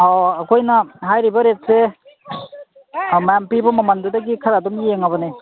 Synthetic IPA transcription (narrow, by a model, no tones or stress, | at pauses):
ɔːkʰojnaɦajɾibɐɾet̚se | majampibɔmamandudaɡikʰaɾadɔmieŋabɐne